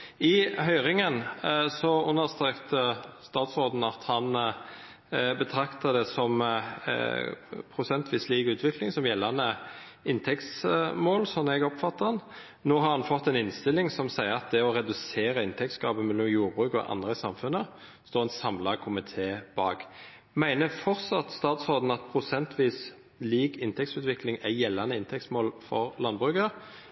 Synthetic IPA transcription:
ɪɦœʏʁɪŋənsɔʉnːəst̪ʁeːkt̪əst̪ɑːt̪sʁoːd̪n̩ɑt̪hɑn | bət̪ʰʁɑkt̪ɑd̪ɛsɔm | pʰʁʊsɛnt̪ʋiːsliːɡʉːt̪ʰʋɪklɪŋsɔmjɛlːɑnə | ɪnt̪ʰɛkt̪smoːlsɔnɛɡɔpfɑt̪ːɑn | noːɦɑʁhɑnfɔt̪ːɛnɪnst̪ɪlːɪŋsɔmsæɪəɑt̪̚d̪ɛɔʁɛd̪ʉseːɾəɪnt̪ʰɛk̚t̪sɡʁɑːbəmɛlːɔmjuːʁbʁʉːkɔ̰ʔɑ̰nd̪ʁəsɑmfʉnə | st̪oːʁɛnsɑmlɑkʰʊmɪt̪ʰeːb̥ɑːɡ | mæɪnəfɔʁtsɑt̪st̪ɑːt̪sɔd̪n̩ɑt̪̚pʰʁʊsɛnt̪ʰʋiːs | liːɡɪnt̪ʰɛkt̪sʉːt̪ʋɪklɪŋæjɛlːɑnəɪnt̪ʰɛktsmoːlfɔ̰ʁlɑnbʁʉːkə

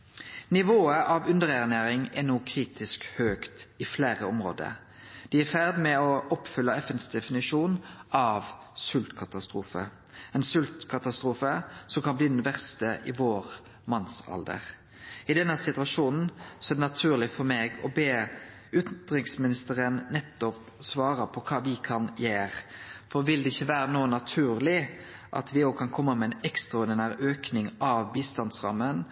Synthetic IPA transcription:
nɪʋoːəʔɑʋʉnd̪əʁɛʁneːʁɪŋɛʁnuːkʰʁiːt̪ɪskhøːkt̪ɪfleːʁəɔmʁo̰ːd̪ə̰ɾ | d̪̥ɪːæʁfæʁd̪mɛɔʔɔpfʏlːəɛfənsd̪ɛfɪnɪʃuːnʔɑʋ | sʉlt̪kʰɑt̪ɑst̪ʁuːfə̰ | ɛnsʉlt̪kʰɑt̪ɑst̪ʁuːfəsɔmkɑnbliːd̪ɛnʋæʁst̪əʔɪʋoːʁ | mɑnsɑ̰ld̪ə̰ʁ | ɪd̪ɛnːəsɪt̪ʉɑʂuːnn̩sɔɛːd̪ɛnɑt̪ʰʉːʁlɪfɔɾmeːɡɔbeː | ʏt̪nd̪ʁɪŋsmɪnɪst̪əʁənnɛt̪ːɔp | sʋɑːʁəpʰɔkʰɑːʋɪkʰɑnjeːʁfɔʋɪld̪ɛɪçːəʋæːɾənoːnɑt̪ʰʉːʁlɪ | ʔɑ̰t̪ʰʋɪnoːkʰɑnkʰɔmːəmɛɛnɛkst̪ʁɑʊd̪ɪnəɾøːknɪŋɑʋbiːst̪ɑnsʁɑ̰mːən

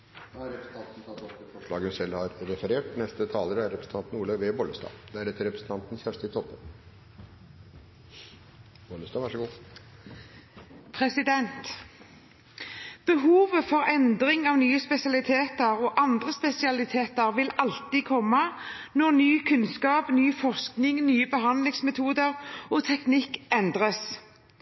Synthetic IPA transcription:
ɑɾɛpɾəsn̩t̪ɑnt̪n̩t̪ʰɑt̪ːɔt̪əfɔʂlɭɑːɡʉnsɛlːhɑɾɾɛfəɾeːʈnɛst̪ət̪ʰɑːləɾəæɾɛpɾəsn̩t̪ɑnt̪n̩uːləʋeːbɔləst̪ɑ̰ːd̪ɛæɾɛt̪ːəɾɛpɾəsn̩t̪ɑnt̪n̩sçæʂt̪ɪt̪ʰɔpːə | bɔləst̪ɑːʋɑʂəɡuː | pʰʁɛsɪd̪ɛnt̪ | b̥əɦuːʋəfɔʁɛnd̪ʁɪŋɑːʋnyːəspɛsɪɑlɪt̪ʰeːt̪əʁoːʔɑnd̪ʁəspɛsɪɑlɪt̪ʰeːt̪əʁʋɪlɑlt̪ikʰɔmːə | nɔʁnyːkʰʉnskɑːpnyːfɔʁsknɪŋnyːəbəɦɑnd̪lɪŋsmɛt̪ʰuːd̪əʁoːt̪ʰɛknɪkɛnd̪ʁəs

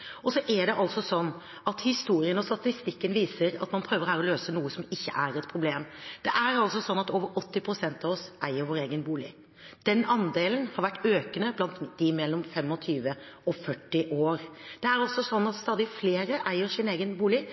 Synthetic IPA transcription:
ɔsɔʔæɖɛʔɑlsɔsɔnː | ɑt̪hɪst̪uːɾɪənɔst̪ɑt̪ɪst̪ɪkːənʋiːsəɾɑ̰t̪mɑnpʰɾøːʋəɾɔhæːɾɔløːsənuːəsɔmɪçːəʔæɾɛt̪pʰɾʊbleːmd̪̥ɛʔæɾɑlsɔsɔnːɑt̪oːʋəɾɔt̪ːɪpʰɾʊsɛnt̪ɑʋɔsʔæɪəɾʋoːɾeːɡənbuːlɪ̰ | d̪̥ɛnːɑnd̪eːlənhɑɾʋæʈːøːkənəblɑnt̪d̪ɪmɛlːɔmfɛmɔt̪ʰyːʋəɔfœʈːɪʔoːɾd̪̥ɛæɾɔsɔsɔnːɑt̪st̪ɑːd̪ɪfleːɾəʔæɪəɾsɪneːɡənbuːlɪ

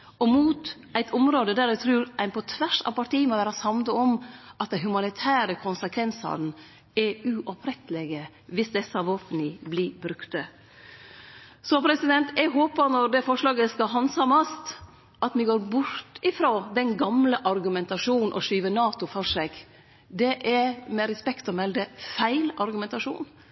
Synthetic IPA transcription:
ɔmuːt̪ʔæɪt̪ʰʊmɾoːd̪əd̪æːɾæt̪ʰɾʉːɾʔæɪnpʰɔt̪ʰʋæʂɑ̰ʋpɑʈiːmɔʋæːɾɑsɑmd̪əɔmʔɑt̪̚d̪ɛɦʉmɑnɪt̪ʰæːɾəkʰʊnsəkʰʋɛnsɑ̰ɾn̩ | ɛʉʔɔpʰɾɛt̪ːəlɛɡə | ʋɪsd̪ɛsɑʋoːpənɪblibɾʉkt̪ə | sɔpʰɾɛsɪd̪ɛnt̪ʰɛɡɦoːpəɾnɔɾd̪ɛfɔʂlɑːɡəskɑɦɑnsɑmɑst̪ | ʔɑt̪mɪɡoːɾbʊɾt̪ʰɪfɾoːd̪ɛnɡɑmləʔɑɾɡʉmɛnt̪ɑʂuːnn̩ʔɔʂyːʋənɑːt̪ʊfɔʂɛɡ̥ | d̪ɛʔæmɛɾɛspɛkt̪ɔmɛld̪əfæɪlɑɾɡʉmɛnt̪ɑʂṵːn

